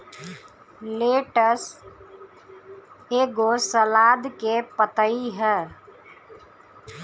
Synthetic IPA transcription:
leːʈəs | eːɡosəlaːd̪kepət̪əiɦɛː

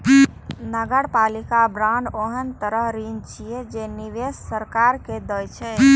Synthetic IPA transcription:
nəɡəɽpalikabɾãːɳɖoɦənt̪əɾəɦɾint͡ʃied͡ʒeniʋessəɾkaɾked̪əjt͡ʃʰɛ

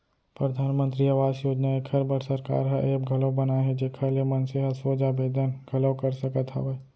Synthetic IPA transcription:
pɾɐd̪ʱaːnmə̃nt̪ɾiaʋaːzjoːd͡ʒnaekʰɐɾbəɽ̤sɐɾka̰ːɾɦɛʔeːbɡʱɐləbɐnaɦɛd͡ʒekʰalemɐnseɦɐsoːd͡ʒabeːd̪ənɡʱɐləwkɐɾsɐkət̪ɦɛ̰ʋe

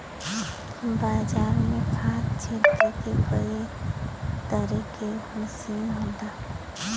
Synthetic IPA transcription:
baːd͡ʒaːɾmẽpʰaːt̪t͡ʃʰelk̪əkekʰəe | t̪əɾikeməsinɦõːd̪aː

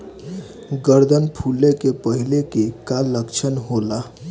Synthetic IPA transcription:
ɡəɾd̪ʱənpʰulekepəɦilekekaləkt͡ʃʰənɦola

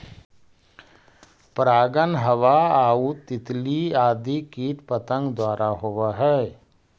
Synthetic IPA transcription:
pɾaːɡənɦəʋaaːut̪ɪt̪liaːd̪ikiːʈpət̪ə̃ŋɡd̪waːɾaɦoʋaɦɛː

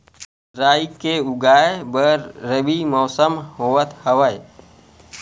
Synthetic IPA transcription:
ɾaːikeʊɡaːebəɾːəbimɔːsəmhoːət̪həʋəe

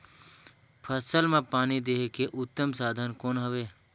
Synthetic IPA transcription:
pʰəsəlmẽpaːnid̪eːɦkeʔʊt̪ːəmsaːd̪ʱənkoːnɦəʋeː

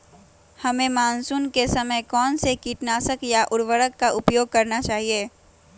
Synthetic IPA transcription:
hɐmẽmaːnsuːnkesɐməkɔːnsekiːʈnaːsəkjaʔʊɾʋəɾəkːaʔʊpjoːɡ̚kɐɾnat͡ʃaːɦieː

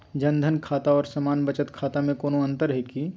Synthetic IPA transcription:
d͡ʒɐ̃nd̪ʱənkʰaːt̪aɔːɾsɐmaːnbət͡ʃət̪kʰaːt̪amẽkoːnoɐ̃nt̪əɾɦɛki

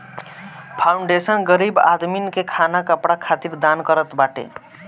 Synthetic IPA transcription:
pʰawɳɖesʌnɡʌɾiba̰d̪minkekʰanakʌpɽakʰat̪iɾd̪ankʌɾʌt̪baʈḛ

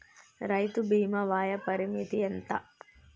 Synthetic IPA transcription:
ɾɐjt̪ubiːmɐʋaːjɐpɐɾimit̪ient̪ɐ̰

